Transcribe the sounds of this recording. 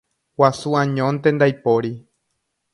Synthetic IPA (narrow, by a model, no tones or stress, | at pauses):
wasuãɲõnt̪ẽnd̪ajpoɾi